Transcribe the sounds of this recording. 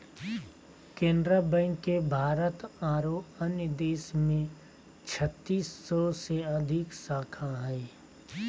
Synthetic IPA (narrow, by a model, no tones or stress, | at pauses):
kẽːnd̪ɾəbɛ̃ːŋkːebʱaːɾət̪aːɾoənjəd̪eːsmẽ | t͡ʃʰət̪ːiːsːɔseəd̪ʱɪksaːkʰaɦɛː